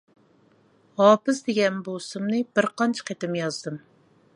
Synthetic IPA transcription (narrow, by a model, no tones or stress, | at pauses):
hɑːpɨsd̪eɡʲɛnbosumnɨbɪɾqʰɑnt͡ʃʰɪ̥qʰet̪ɪmjɑzd̪ɨm